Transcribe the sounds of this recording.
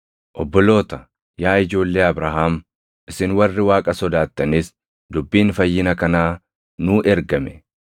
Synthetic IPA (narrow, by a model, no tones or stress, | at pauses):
ʔɔbːɔlo̞ːt̪ɐ | jaːɪd͡ʒo̞ːlːe̞ːɐbɾaːɦaːm | ʔɪsɪnwɐrːɪwaːkʼɐsɔd̪aːt̪ːɐnis | d̪ʊbːiːnfɐjːɪnɐkɐnaː | nuːʔɛɾɡɐmɛ